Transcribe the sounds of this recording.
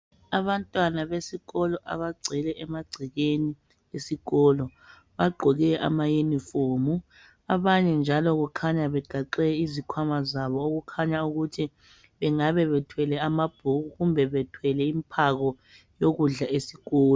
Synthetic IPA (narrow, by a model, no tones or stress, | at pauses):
aβantʼwanaβesiɣɔlɔʔa̰βaɡ͡ǀʱɛlɛʔɛmaɡ͡ǀʱiɣeni | esiɣɔlɔ | βaɡ͡ǃʱɔɣɛa̰majenifoːmu | aβaɲɛnd͡ʒʱalɔɣukʰaɲaβɛɡ͡ǃʱaǃɛizikʰwamazaβɔoɣukʰaɲauɣutʰi | βɛŋaβɛβɛtʰwɛlɛamab̥ʱuɣuɣumbʱɛβɛtʰwɛlɛimpʰaɣɔ | joɣuɮaesiɣɔːlɔ